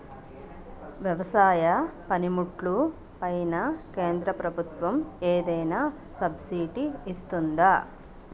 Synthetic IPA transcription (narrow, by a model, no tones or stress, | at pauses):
ʋjɐʋɐsaːjɐpɐnimuʈlu | pɐjnɐke̞ːnd̪ɾɐpɾɐbʱut̪ʋɐmeːd̪ɐjnɐ | sɐbsiːʈiːst̪und̪aː